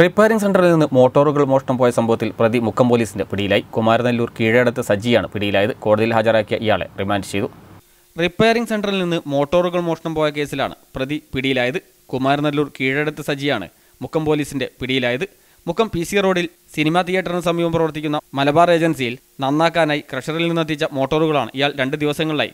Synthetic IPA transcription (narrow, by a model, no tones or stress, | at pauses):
ripːejɾiŋs̬eɳɖɐrilninːɨmo̞ːʈːo̞ːruɣɐɭmo̞ːʂɐɳɐmpo̞ːjɐsɐmbʱɐʋɐt̪ːilprɐðimukʰːɐmpo̞ːliːsinde̞piɽijilaːjikumaːɾnɐlːuːrkiːɻeɽɐt̪ːɨsɐd͡ʑijaːɳɨpiɽijilaːjɐðɨko̞ːɽɐðijilɦaːd͡ʑɐɾaːkːijɐʔijaːɭe̞̰rimaːndɨ̥t͡ɕe̞jðu | ripːejɐɾiŋɡse̞ɳɖɐrilninːɨmo̞ːʈːo̞ːruɣɐɭmoːʂɐɳɐmpo̞ːjɐk̬e̞ːsila̰ːɳɨ̰prɐðipiɽijilaːjɐðɨ | kumaːɾɐnɐlːuːrkiːɻeɽɐt̪ːɨsɐd͡ʑijaːɳɨ̰ | mukʰːɐmpo̞ːliːsinde̞piɽijilaːjɐðɨ | mukːɐmpisijɐro̞ːɽil | sinimaːt̪ijɐʈːɐrinɨsɐmiːʋɐmprɐʋɐrt̪ːikʲːunːɐmɐlɐbaːre̞ːd͡ʑɐnsijil | nɐnːaːkːaːnaːjikrɐʂɐrilninːɐt̪̬ːit͡ɕːɐmo̞ːʈːoːruɣɐɭaːɳɨ̰ʔijaːɭɾe̞ɳɖɨd̪iʋɐsɐŋːɐɭla̰ːjḭ